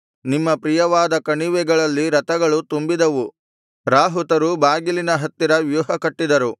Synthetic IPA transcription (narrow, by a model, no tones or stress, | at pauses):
nimːɐpɾijɐʋaːd̪ɐkɐɳiʋɛɡɐɭɐlːiɾɐt̪ɐɡɐɭut̪umbid̪ɐʋu | ɾaːɦut̪ɐɾubaːɡilinɐɦɐt̪ːiɾɐʋjuːɦɐkɐʈːid̪ɐɾu